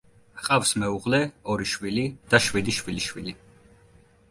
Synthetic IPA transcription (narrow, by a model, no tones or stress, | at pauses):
χʼafsmɛuʁlɛɔɾiʃwilid̪̥aʃwid̪iʃwiliʃwili